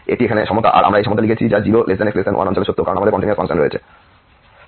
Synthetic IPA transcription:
eʈiekʰaneʃɔmot̪a̰ʔa̰ɾʔa̰mɾaejʃɔmot̪ʰːalikʰet͡ɕʰid͡ʑad͡ʑiboled͡ʑdaneksplesenʔa̰nɔnt͡ɕoleʃot̪ːɾokaɾonamad̪eɾkɔɳʈiniasfaŋʃonɾoet͡ɕʰe

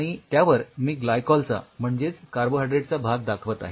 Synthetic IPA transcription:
ɽ̃it̪jaʋəɾmiːɡlajkɔlt͡sa̰m̤əɳd͡zet͡skaɾboɦajɖɾeʈt͡sabʱaɡd̪akʰʋət̪a̰ɦe

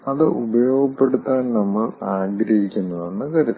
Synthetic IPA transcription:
ɐðɨʔubɐjo̞ːɡɐpːe̞ɽut̪ːaːnnɐmːɐɭaːɡɾɐhikʲːunːɐðenːɨkɐɾut̪ː

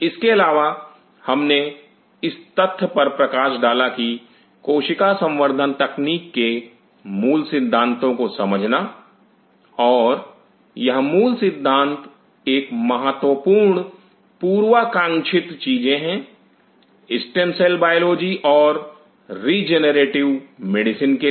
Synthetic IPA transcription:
ɪskeɐlaːʋa | hɐmne | ɪst̪ɐt̪ʰːəpɐɾpɾɐkaːʃɖaːlaki | koːʃɪkasə̃mʋəɾd̪ʱənt̪ɐkniːkːe | muːlsɪd̪ʱːãːnt̪õkosɐməd͡ʒʱna | ɔːɾ | jɐɦmuːlsɪd̪ʱːãːnt̪ | eːkmɐɦət̪wəpuːɾɳ | puːɾwakãːŋʃʰɪt̪t͡ʃiːd͡ʒẽɦɛ̃ | ɪsʈẽmsɛlbaːjoloːd͡ʒiʔɔːɾː | iːd͡ʒenəɾeːʈɪʋmeɖɪsɪnke

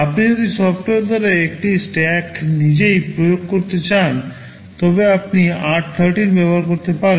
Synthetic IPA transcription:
apnid͡ʑod̪isɔfʈoeɾd̪ʱɔɾeek̚ʈisʈɛknid͡ʑejpɾojoɡ̚koɾt̪et͡ɕan | t̪ɔbeapniaɾʈ̚t̪ʰəɾʈiɾbɛboɦaɾkoɾt̪epaɾe

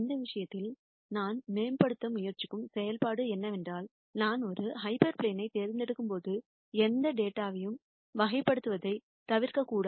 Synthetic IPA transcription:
nd̪ɐʋɪʂɐjɐt̪ːɪl | naːnmeːmpɐɽɯt̪ːɐmʊjɐɾt͡ʃɪ̥kːɯmsɛjɐlpaːɽɯɛnːɐʋɛndraːl | naːnɔɾɯɦɐɪpɐɾpɭeːnɐɪt̪eːɾɪnd̪ɛɽɯkːɯmpoːðɯ | ɛnd̪ɐɖeːʈːaːʋɐjɯm | ʋɐɣɐɪpːɐɽɯt̪ːɯʋɐðɐɪ | t̪ɐʋɪɾkɐkːuːɽɐ

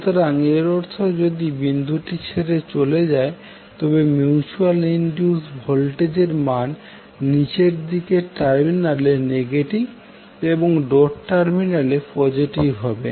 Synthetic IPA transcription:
t̪ʰaɾaŋeɾɔɾt̪ʰod͡ʑod̪ibind̪ʱuʈit͡ɕʰeɾet͡ɕoled͡ʑae | t̪ɔbemjut͡ɕualinɖiusbʱɔlʈed͡ʑeɾmanː | it͡ɕeɾd̪ikeʈaɾminaleneɡeʈiɡ | eboŋɖɔʈʈaɾminalepɔd͡ʑiʈibɦɔbe

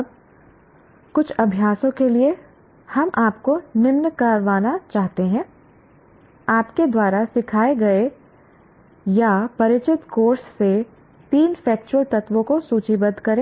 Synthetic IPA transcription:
b̚ | kʊt͡ʃʰɐbʱjaːsõkelie | hɐmʔaːpkonɪmnkɐɾʋaːnat͡ʃaːɦt̪eɦɛ̃ː | aːpked̪waːɾasɪkʰaːeɡɐe | japɐɾɪt͡ʃɪt̪koːɾsːe | t̪iːnfɛːk̚t͡ʃuwəlt̪ɐt̪ʋõkosuːt͡ʃibɐd̪ʱkɐɾẽː

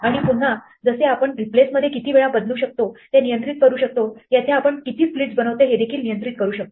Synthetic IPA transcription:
aɽ̃ipuɽ̤a | d͡zəseapəɳɾiplesməd̪ʱːjekit̪iːʋeɭabəd̪luːɕək̚t̪ot̪enijənt̪ɾit̪̚kəɾuːɕək̚t̪ojat̪ʰeapəɳkit̪iːspliʈd͡zbənəʋt̪eɦed̪ekʰiːlnijənt̪ɾit̪̚kəɾuːɕək̚t̪o

